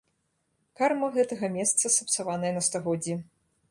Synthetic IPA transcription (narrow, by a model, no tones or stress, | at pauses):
karmɐɣɛt̪ɐɣɐmʲɛst̪sɐsɐpt̪savanɐjɛnɐst̪ɔɣɔd͡zʲːi